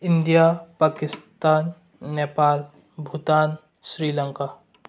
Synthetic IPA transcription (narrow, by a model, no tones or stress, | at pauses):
ɪ̃nd̪ijapaːkɪst̪aːnː | eːpaːl | bʱut̪aːn | sɾiːlə̃ŋkaː